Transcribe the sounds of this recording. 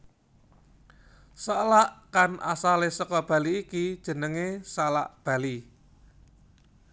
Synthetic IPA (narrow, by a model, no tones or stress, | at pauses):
salaʔkanʔa̰salesɔkɔb̥a̤liːkid̥ʒ̥ə̤nəŋesala̰ʔb̥a̤li